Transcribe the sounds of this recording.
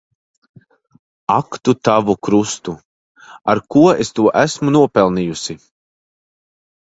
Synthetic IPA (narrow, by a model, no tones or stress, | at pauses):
akt̪ut̪avukɾust̪u | aɾkuɔest̪uɔʔæsmunuɔpɛlˠniːjusi